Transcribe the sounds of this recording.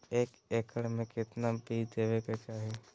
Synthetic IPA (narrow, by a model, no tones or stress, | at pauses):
eːk | eːkəɽmẽkɪt̪nabid̪eːʋekat͡ʃaːɦe